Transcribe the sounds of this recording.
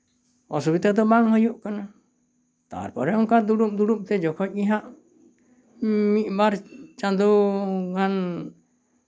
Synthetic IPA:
ɔ̰subit̪ad̪ɔmaŋhɔjuʔkana | t̪a̰ɾpɔɾɛɔŋkad̪uɽum̚d̪uɽumt̪ɛd͡ʒɔkʰɔc̚ɡiɦaʔ | mit̪̚baɾt͡ʃand̪uŋan

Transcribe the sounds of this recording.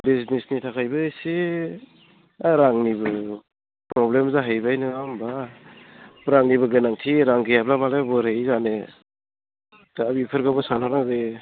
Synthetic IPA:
biznisnitʰakʰajbɯsi | aɾaŋnibɯ | pɾɔblemzaɦajbajnɯamba | pɾaŋnibɯɡɯnaŋtʰiɾaŋɡijaplamalebɔɾejzane | taːbipʰɯɾɡabɯsanhɔɾaɡɯ

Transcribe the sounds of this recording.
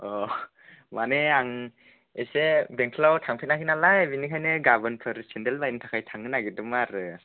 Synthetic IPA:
ɔ | maneaŋ | esebeŋkʰlawtʰaŋpʰit̚nakʰinalajbinikʰajnɯɡabɯnpʰɯɾsendelbajnɯtʰakʰajtʰaŋɯnaɡidɯmaɾɯ

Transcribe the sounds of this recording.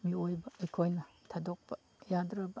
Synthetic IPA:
miojbɐːjkʰojnɐtʰadɔk̚pɐ | jadɾɐbɐ

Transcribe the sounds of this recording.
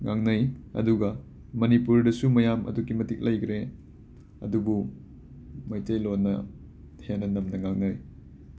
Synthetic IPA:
ŋaŋnɐjɐ̰duɡɐ | mɐnipuɾdɐsumɐjamʔɐ̰dukːimɐtik̚lɐjkɾe | ɐ̰dubu | mɐjtɐjlonːɐ | hʰenːɐnɐmnɐŋaŋnɐj

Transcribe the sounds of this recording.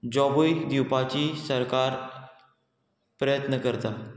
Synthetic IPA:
d͡ʑɔbujd̪iwpat͡ɕiːsəɾkaɾ | pɾəjət̪nəkəɾt̪a

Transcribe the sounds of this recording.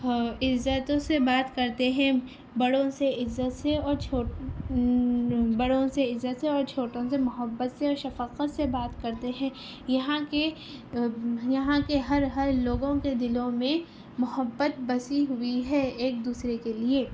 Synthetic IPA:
ɪzːət̪õsebaːt̪kɐɾt̪eɦɛ̃ | bɐɽõseɪzːət̪seɔːɾt͡ʃʰoː | bɐɽõseɪzːət̪seɔːɾt͡ʃʰoːʈõsemʊɦəbːət̪seɔːɾʃɐfəqət̪sebaːt̪kɐɾt̪eɦɛ̃ | jɐɦãke | jɐɦãkeɦɐɾɦɐɾloːɡõked̪ɪlõmẽ | mʊɦəbːət̪bɐsiɦʊiɦɛːeːk̚d̪uːsɾekelieː

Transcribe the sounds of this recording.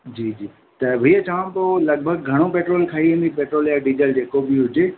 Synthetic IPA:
d͡ʑiːd͡ʑiː | t̪ɐbʱiːət͡ɕaʋãt̪oːlɐɡ̚bʱəɡ̚ɡʱɐɽ̃opeːʈɾoːlkʰaːɦiʋẽnd̪ipeːʈɾoːljaːɖid͡ʑəld͡ʑeːkobʱiɦʊd͡ʑe

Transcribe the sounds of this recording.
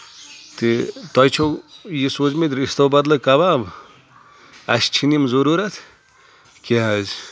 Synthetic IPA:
t̪it̪ɔjt͡ʃʰojisoːt͡ʃmed̪ɾist̪ɐbɐd̪lɐkɐbab | ɐst͡ʃʰinimzuɾuɾɐt̪ʰ | keɦɐz

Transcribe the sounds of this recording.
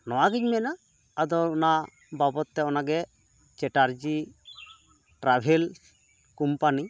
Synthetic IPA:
nɔwaɡiɲmɛnaː | d̪ɔuna | babɔt̪ːɛɔnaɡɛ | t͡ʃɛʈaɾd͡ʒi | ʈɾabʱel | kumpani

